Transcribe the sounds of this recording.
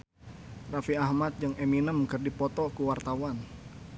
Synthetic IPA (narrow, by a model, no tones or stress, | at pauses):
rafiahmat̪̚d͡ʒəŋeminəmkərdipɔt̪ɔkuwart̪awan